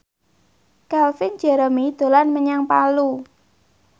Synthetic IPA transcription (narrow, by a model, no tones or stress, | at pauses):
kalfɪnd͡ʒ̥ɛ̤ɾəmid̪̥o̤lanməɲaŋpalu